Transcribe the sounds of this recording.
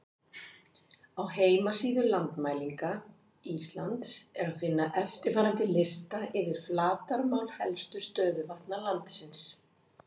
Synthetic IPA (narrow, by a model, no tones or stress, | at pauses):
awheːjmasiːðʏlant̪maːjliŋka | ist̪lant̪sɛɾafɪnːaʔɛft̪ɪɾfaːɾant̪ɪlɪst̪aɪvɪɾ̥flaːt̪aɾmawlhɛlst̪ʏ̥st̪œːðʏvaht̪nalant̪sɪns